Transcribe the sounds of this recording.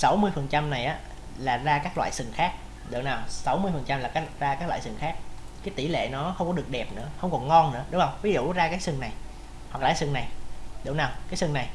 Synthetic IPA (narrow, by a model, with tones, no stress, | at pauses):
sa˨˦wmɨ˧əjfə˨˩nt͡ɕa˧mna˨˩jʔaː˨˦ | laː˨˩zaː˧kaː˦˥k̚lwa̰ː˧˨jsɨ˨˩ŋxaː˦˥k̚ | ɗə̰˨˧˩wnaː˨˩wsa˨˦wmɨ˧əjfə˨˩nt͡ɕa˧mlaː˨˩kaː˨˦˥zaː˧kaː˧˦˥k̚la̰ː˧˨˩sɨ˨˩ŋxaː˦˥k̚ | kaː˨˦jt̪i˧˩lḛ˧˨nɔ˨˦xə˧wŋ͡mkɔ˨˦ɗɨ˨˩ək̚ɗɛ˨˩p̚nɨ̰˧˥əxə˧wŋ͡mkɔ˨˩nŋɔ˧nnɨ̰˧˥əɗŋ͡mʔə˨˩wvi˨˦zṵ˧˨zaː˧kaː˨˥jsɨ˨˧˩ŋna˨˩j | hwa˨˩k̚laː˧˨˩sɨ˨˩ŋna˨˩jɗə̰˨˧˦wnaː˨˩wkaː˨˦jsɨ˧˩ŋna˨˩j